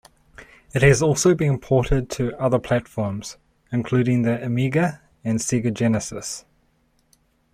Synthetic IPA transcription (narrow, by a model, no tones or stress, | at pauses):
ɪt̚hɨzɔˑlˠsəʊbĩnə̃mpʰɔˑɾɪd̚tʰəʌðəpʰl̥ætfɔːmz̥ | ɪ̃nkʰl̥ʉːɾɪ̃ŋðiəmiɡə | ə̃nsiɡəd͡ʒɛnəsɪ̰s